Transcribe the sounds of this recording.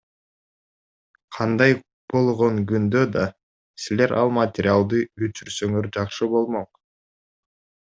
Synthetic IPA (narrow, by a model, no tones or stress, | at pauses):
qʰɑnd̪ɑj | b̥o̞lˠʁo̞ŋɡynd̪ø̞d̪ɑ | sileɾʔɑlˠmat̪ʲɪɾʲɪalˠd̪ɯyt͡ʃyɾsøŋøɾd͡ʒɑqʃɯbo̞lˠmoq